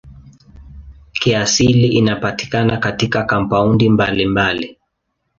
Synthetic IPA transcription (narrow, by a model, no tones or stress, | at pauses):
kiasiliʔinapati̥kanakatikakampaundimbalimbali